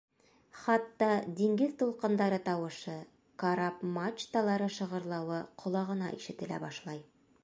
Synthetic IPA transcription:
χɑt̪ːɑd̪iŋɡɘðt̪ulˠqɤ̆nd̪ɑɾɤt̪ɑwɤ̆ʃɤ | kɑɾɑpmat͡ʃt̪ɑlˠɑɾɤʃɤ̆ʁɤ̆ɾlˠɑwɤqʰŏlˠɑʁɤ̆nɑ̰ʔiʃɘ̆t̪ɘ̆læ̰bɑʃlˠɑj

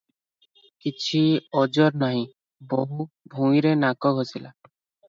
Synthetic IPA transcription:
kit͡ʃʰiɔd͡ʒɔɾnaɦĩ | bɔɦu | bʱũĩɾenakɔɡʱɦosila

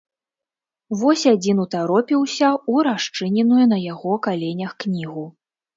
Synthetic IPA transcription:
vɔsʲad͡zʲinut̪aɾɔpʲiwsʲɐuɾaʂt͡ʂɨnʲɛnujunɐjaɣɔkalʲenʲɐxknʲiɣu

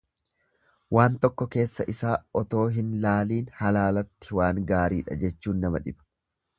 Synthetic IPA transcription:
waːnt̪ɔkːɔke̞ːsːɐʔɪsaːʔɔt̪o̞ːɦɪnlaːliːnhɐlaːlɐt̪ːɪ̥waːŋɡaːɾiːᶑɐ̰d͡ʒɛt͡ʃːuːnːɐmɐᶑɪb̥ɐ̥

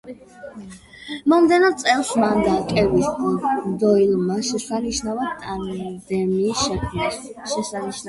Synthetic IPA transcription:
mɔmd̪ɛnad̪sʼɛlˠsmand̪akʼɛbisɔd̪ɔilˠmaʃɛsaniʃnavat̪ʼand̪ɛmiːsʃɛkʰmnasʃɛsaniʃn

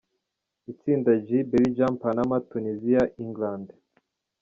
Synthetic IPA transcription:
it͡siːndad͡ʒibelid͡ʒampanamatuniziaʔiŋɡlande

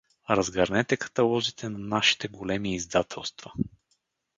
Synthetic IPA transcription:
ɾɐzɡɐɾnɛt̪ɛkɐ̥t̪ɐlˠɔzit̪ʰɛnɐnaʃi̥t̪ɛɡolɛmiːzd̪at̪ʰɛlˠst̪vɐ

